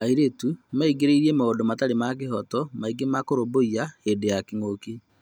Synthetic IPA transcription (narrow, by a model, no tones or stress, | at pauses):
aiɾetumaiɡeɾeiɾiemaoːndomataɾemak̬eɦɔtɔmaiɡemakoɾoboiahedejakiŋoki